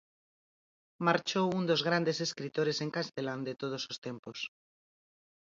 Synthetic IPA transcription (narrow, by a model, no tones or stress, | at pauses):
maɾt͡ʃowund̪o̞zɣ̞ɾand̪e̞se̞skɾit̪o̞ɾe̞se̞ŋkast̪e̞land̪et̪o̞ð̞o̞slost̪e̞mpos